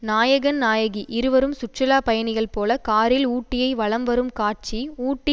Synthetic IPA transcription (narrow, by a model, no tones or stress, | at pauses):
naːjɐɣɐnnaːjɐɣiʔɪɾɯʋɐɾɯmsʊʈt͡ʃɐlaːpɐjɐnɪɣɐɭpoːlɐkaːɾɪluːʈːɪjɐɪʋɐɭɐmʋɐɾɯmkaːʈ̚t͡ʃiuːʈːɪ